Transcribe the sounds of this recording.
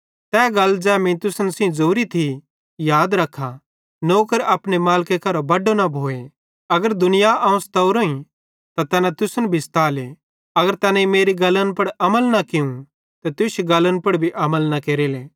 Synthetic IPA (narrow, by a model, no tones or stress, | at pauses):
t̪ɛːɡɐld͡ʒɛːmĩt̪ʊsənsĩd͡zoːɾit̪ʰi | jaːd̪ɾɐkʰːa | noːkəɾɐpnemaːlkekɐɾobɐɖonɐbʱoːe | ɐɡəɾd̪ʊnɪjaʔɐũst̪ɐʊɾoːĩ | t̪at̪ɐnãt̪ʊsənbʱɪst̪aːle | ɐɡəɾt̪ɐnaimeːɾiɡɐlənpɐɽɐməlnɐkɪũ | t̪ɛt̪ʊsɡɐlənpɐɽbʱiʔɐməlnɐkeːɾileː